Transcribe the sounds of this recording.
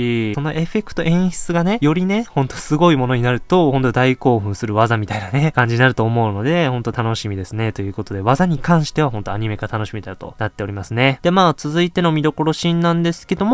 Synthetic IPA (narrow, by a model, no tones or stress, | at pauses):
iso̞no̞ʔe̞ɸe̞kɯ̟̥t̪o̞ʔẽ̞ɰ̃ɕi̥t͡sɨɡane̞jo̞ɾʲine̞hõ̞nt̪osɨɡo̞imo̞no̞ɲ̟inaɾɯ̟t̪o̞hõ̞nt̪o̞d̪aiko̞ːɸɯ̟̃ɰ̃sɨɾɯ̟βazamʲit̪ainane̞kãɲ̟d͡ʑiɲ̟inaɾɯ̟t̪o̞ːmo̞ɯ̟no̞d̪e̞hõ̞nt̪ot̪ano̞ɕimʲid̪e̞sɨne̞t̪o̞jɯ̟ːko̞t̪o̞d̪e̞βazaɲ̟ikãɰ̃ɕi̥t̪e̞βaɦõ̞nt̪o̞aɲ̟ime̞ɡat̪ano̞ɕimet̪aɯt̪o̞̰nat̪ːe̞o̞ɾʲimasɨne̞d̪e̞maːt͡sɨzɨit̪e̞no̞mʲid̪o̞ko̞ɾo̞ɕĩnːãnd̪e̞sɨ̥ke̞d̪o̞mo